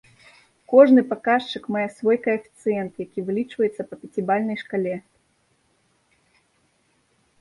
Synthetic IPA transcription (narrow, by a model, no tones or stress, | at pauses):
kɔʐnɨpakaʂt͡ʂɨkmajɛsvɔjkɐɛfʲi̥t̪sɨjɛnt̪jakʲivɨlʲit͡ʂvɐjɛt̪sːɐpɐpʲɛt͡sʲibalʲnɐjʂkalʲɛ